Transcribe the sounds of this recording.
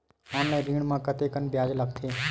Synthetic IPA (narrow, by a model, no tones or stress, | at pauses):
ãːmlajɾĩːɽ̃mãkət̪ekənbjaːd͡ʒləkt̪ʰe